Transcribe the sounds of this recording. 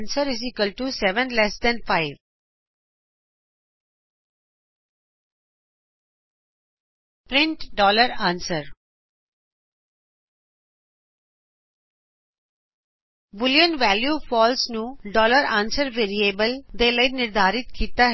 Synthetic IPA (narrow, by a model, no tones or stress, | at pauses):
nsəɾɪzikəlʈusɛʋə̃nlɛsd̪ɛ̃nfaɪʋ | ppɾɪ̃ɳʈɖɔːləɾãːnsəɾ | ʋʊljənʋɛːljufɔːlsnũːɖɔːləɾãːnsəɾʋeːɾieːbəld̪eːləɪnɪɾd̪ʱaːɾɪt̪kiːt̪a